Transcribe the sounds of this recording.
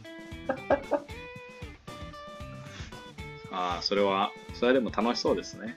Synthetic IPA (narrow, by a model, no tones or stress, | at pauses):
aːso̞ɾe̞β̞a | so̞ɾead̪e̞mo̞t̪ano̞ɕi̥so̞ːd̪e̞sɨne̞